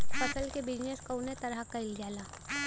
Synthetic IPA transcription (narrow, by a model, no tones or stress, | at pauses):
fɐsəlkebɪd͡ʒneskɐʊnet̪ɐɾəɦkɐɪld͡ʒjaːlaː